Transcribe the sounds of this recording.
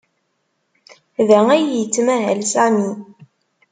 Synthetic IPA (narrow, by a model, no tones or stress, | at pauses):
ðææjjt͡sːmæɦæ̰lsæmi